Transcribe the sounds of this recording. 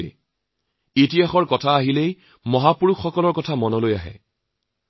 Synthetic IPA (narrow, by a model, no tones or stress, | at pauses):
ḛ | etijaxɔɹkɔtʰaːɦilej | mɔɦapuɹuxːɔkɔlɔɹkɔtʰamɔnɔlojaɦɛ̰